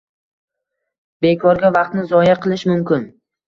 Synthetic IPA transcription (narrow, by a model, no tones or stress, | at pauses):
be̞kʰɒɾɡʲavɑq̚t̪̚nɪzɒjaqʰɨlˠɪʃmʊmkʲɪn